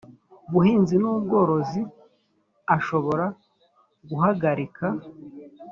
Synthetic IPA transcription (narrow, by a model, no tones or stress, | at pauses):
βuhiːnzinubɡo̞ɾo̞zi | aʃo̞βo̞ɾa | ɡuhaɡaɾika